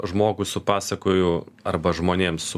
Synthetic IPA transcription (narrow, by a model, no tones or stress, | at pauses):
ʒmoːɡʊsʊpɑːsɐkoːjʊɐrbɐʒmoːnʲeːmsʊ